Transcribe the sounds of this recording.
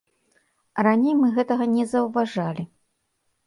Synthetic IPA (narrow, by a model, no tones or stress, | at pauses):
ranʲejmɨɣɛt̪ɐɣɐnʲɛzɐwvaʐalʲi